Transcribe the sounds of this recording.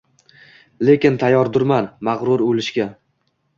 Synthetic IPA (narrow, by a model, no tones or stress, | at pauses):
le̞kʲɪnt̪ʰajːɒɾd̪ʊɾmanmaʁɾʊɾolɪʃkʲa